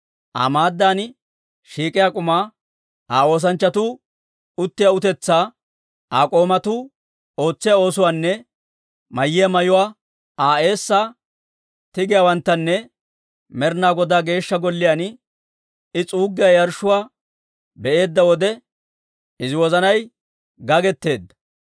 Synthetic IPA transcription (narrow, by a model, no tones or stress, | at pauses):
ʔa̰maːd̪ːaːn | ʃiːkʼɪjakʼʊmaː | aːo̞ːs̬ɐnt͡ʃːɐt̪uː | ʊt̪ːɪjaʊt̪ɛt͡sːaː | aːkʼo̞ːmɐt̪uː | o̞ːt͡sːɪjao̞ːsʊwaːnːɛ | mɐjːɪjɐmɐjʊwaː | aːe̞ːsːaː | t̪ɪɡɪjaːwɐnt̪ːɐnːɛ | mɛɾnaːɡɔd̪aːɡe̞ːʃːɐɡɔlːɪjaːn | ɪt͡sʼuːɡːɪjajɐɾʃːʊwaː | bɛʔe̞ːd̪ːɐwɔd̪ɛ | ɪzɪwɔzɐnɐj | ɡɐɡɛt̪ːe̞ːd̪ːɐ̥